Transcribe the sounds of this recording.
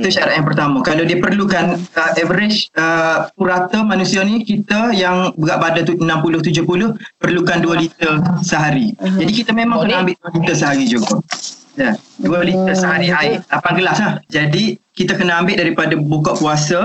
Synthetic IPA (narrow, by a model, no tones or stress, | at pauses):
ət̪uʃaɾaʔjaŋpərt̪aməkalawdiəpərlukanəʔɛvəɾɪt͡ʃəpuɾat̪əmanusianikit̪əjaŋbəɡaʔbadat̪uənãmpulʊht̪ud͡ʒʊpulʊhpərlukanduəlit̪əsəɦaɾid͡ʒadikit̪əmemãŋkənaambɪʔ̚duəlit̪əsəɦaɾid͡ʒuɡajaduəlit̪əsəɦaɾiaɪlapanɡəlaslahd͡ʒadikit̪akənəambɪt̪ʔ̚daɾipadabukɔʔkuasə